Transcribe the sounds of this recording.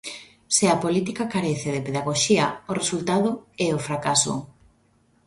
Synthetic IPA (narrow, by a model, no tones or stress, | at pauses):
sɪapolit̪ikakaɾɛθɪðepeðaɣoʃiɐoresult̪aðʊɛofɾakaso̰